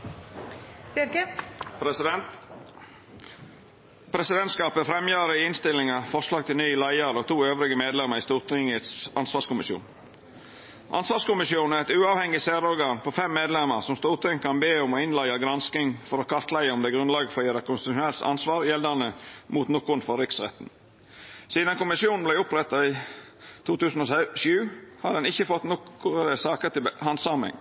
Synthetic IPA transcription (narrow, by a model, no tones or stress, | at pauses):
pɾsɛnt̪ | pʰɾɛsɪd̪ɛnt̪skɑːpəfɾɛmjɑːɾəɪɪnst̪ɪlɪŋɑfɔʂlɑːɡ̚t̪ʰɪlnyːlæɪəɾɔt̪ʰuːøːʋɾɪɡəmeːd̪lɛmːəɾɪst̪uːɾt̪ʰɪŋət̪sɑ̰nsʋɑːʂkʊmɪʃjṵːn | ʔɑ̰nsʋɑːʂkʊmɪsjuːnæɾɛt̪ʉːɑːʋhɛŋːɪsæːɾɔɾɡɑːnpʰɔfɛmːeːd̪lɛmːəɾsɔmst̪uːɾt̪ʰɪŋkʰɑnbeːɔmɔɪnlæɪɑɡɾɑnsk̪ɪŋfɔɾɔkʰɑʁt̪læɪəɔmd̪ɛːɡɾʉnlɑːɡəfɔjeːɾəkʰʊnst̪ɪt̪ʉʃʊnɛlt̪ɑ̰nsʋɑːɾjɛld̪ɑnəmuːt̪nɔkʊɾn̩fɔɾɾɪksʁɛ̰t̪n̩ | siːd̪ɑnkʊmɪsjuːnn̩blæɪʊpɾɛt̪ːɑɪ | t̪ʰuːt̪ʉːsn̩ɔsʉːhɑd̪d̪ɛnɪçːəfɔt̪nɔkːʊʁəd̪əsɑːkət̪ɪlbhɑnsɑmɪ̰ŋ